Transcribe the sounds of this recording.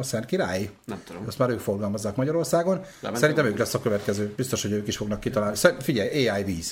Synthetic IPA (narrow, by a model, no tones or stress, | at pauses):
sɛnt̪kiɾa̰ːjiɛmud̪ost̪maːɾøːkfo̞rɡɒlmɒzːaːkmɒɟɒɾo̞rsaːɡon | sɛɾint̪ɛmøːklɛsːɒkø̞vɛt̪kɛzøːb̥ist̪o̞ʃho̞ɟøːkiʃfo̞ɡnɒkːit̪ɒlaːlnisɛfiɟɛjeːaːjviːz̥